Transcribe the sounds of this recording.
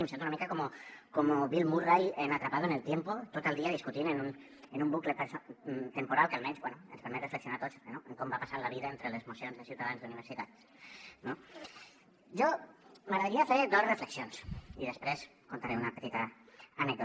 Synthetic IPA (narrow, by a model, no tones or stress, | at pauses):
imsent̪unamikakomokomoβilmurajenat̪ɾapaðoenelˠt̪jempot̪ot̪əlˠd̪iaðiskut̪inenun | enumbuklepeɾst̪empuɾalˠkəalˠmɛ̃nzbwenuənspəɾmɛt̪rəfləksionaɾt̪ot͡snoeŋkombapasaɾlaβiðaent̪ɾelezmusionzðəsjiwt̪aðanzðuniβ̞əɾsit̪at̪ | no | ʒoməɣɾaðeɾiafeɾd̪osrəfləksjonsiðespɾes | kont̪aɾeunapet̪it̪aːnɛk̚d̪o